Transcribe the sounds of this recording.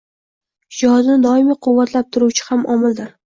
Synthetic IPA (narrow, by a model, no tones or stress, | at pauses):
hɪd͡ʒɒznɪd̪ɒɪmiqʰʊwːat̪ʰlap̚t̪ʰʊɾuwt͡ʃʰɪ̥hamɒmɪlˠd̪ɪɾ